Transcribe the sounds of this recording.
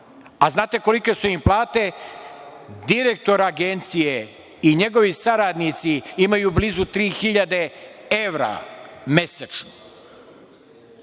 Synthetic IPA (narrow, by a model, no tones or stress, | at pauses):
aznaːt̪e̞ko̞like̞suimplaːt̪e̞ | d̪iɾek̚t̪o̞ɾaɡent̪sije | iɲe̞ɡo̞ʋisaɾad̪nit̪siimajuːblizut̪ɾiːxiʎad̪e̞eʋɾa̰me̞set͡ʃno